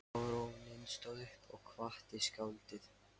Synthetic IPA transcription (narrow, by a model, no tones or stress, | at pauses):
ɾowɣnɪnst̪ɔðʏhpʰɔɣkʰvaht̪ɪskawlt̪ɪθ